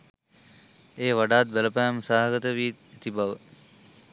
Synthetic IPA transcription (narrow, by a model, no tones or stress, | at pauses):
eːʋaɖaːt̪̚beləpæːmusaːɦɐɡət̪əʋiːt̪et̪ibaʋə